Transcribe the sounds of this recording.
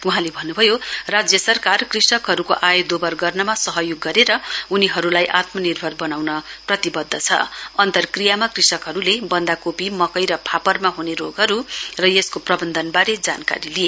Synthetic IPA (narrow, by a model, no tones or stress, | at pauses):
uɦãlebʱʌnːubʱʌjorad͡zjʌsʌrkarkrisʌkɦʌɾukoʔajod̪obʌrɡʌrnʌmasʌɦʌjoɡːʌɾeɾʌuniɦʌɾulajʔat̪mʌnirbʱʌrbʌnawnʌprʌt̪ibʌd̪ʱːʌt͡sʰʌ̰ʌnt̪ʌrkrijamakrisʌkɦʌɾulebʌnd̪akopimʌkʌjɾʌpʰapʌrmaɦuneɾoɡɦʌɾurʌjeskoprʌbʌnd̪ʱʌnbaɾed͡zanka̰ɾilie